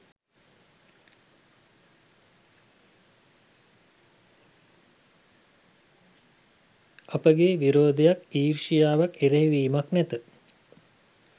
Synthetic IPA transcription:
apəɡeʋiɾoːd̪ejakiːrʃijaːʋakeɾeɦiʋiːmaknɛt̪ə

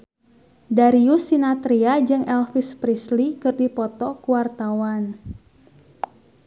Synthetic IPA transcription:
daɾiusinat̪ɾiad͡ʒɨŋʔɛlfispɾislikɨrdipɔt̪ɔkuwart̪awan

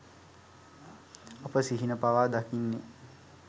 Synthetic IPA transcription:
apəsiɦinəpaʋaːd̪akinːe

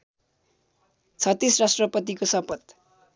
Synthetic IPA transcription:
t͡sʰʌt̪ːisrasʈrʌpʌt̪ikosʌpʌt̪

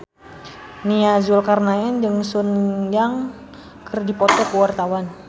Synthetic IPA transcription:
niazulkarnaɛnd͡ʒəŋsunjaŋ | kərdipɔt̪ɔkəwart̪awan

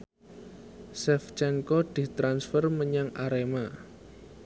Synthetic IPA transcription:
sɛft͡ʃɛŋkɔd̪̥i̤t̪ɾansfərməɲaŋʔaɾema

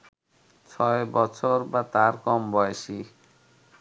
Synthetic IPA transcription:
t͡ɕʰɔebɔt͡ɕʰoɾbat̪aɾkɔmbɔjeʃi

